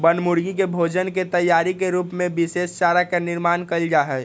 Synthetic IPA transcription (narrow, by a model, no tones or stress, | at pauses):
bənmʊɾɡikebʱoːd͡ʒənket̪əjːaːɾikeɾuːpmẽbɪseːst͡ʃaːɾakanɪɾmaːnkəld͡ʒaːɦɛː